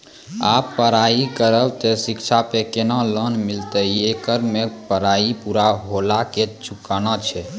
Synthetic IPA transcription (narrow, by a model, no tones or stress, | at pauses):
apːəɾaikəɾəlt̪esikt͡ʃʰapekenalənmilt̪əekəɾmepəɾaipuɾaɦolaket͡ʃʰukanat͡ʃʰɛ